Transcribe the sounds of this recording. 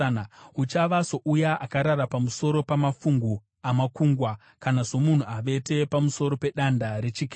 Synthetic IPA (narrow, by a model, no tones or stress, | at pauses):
ut͡ʃaʋaso̞ʔujaʔakaɾaɾapamuso̞ɾo̞pamafuŋɡu | amakuːŋɡwa | kanaʐo̞mun̤uaʋe̞te̞pamuso̞ɾo̞pe̞ɗandaɾe̞t͡ʃikː